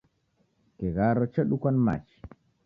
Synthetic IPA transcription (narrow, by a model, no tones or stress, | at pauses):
kɛɣaɾɔt͡ʃeɗukwanma̰t͡ʃi̥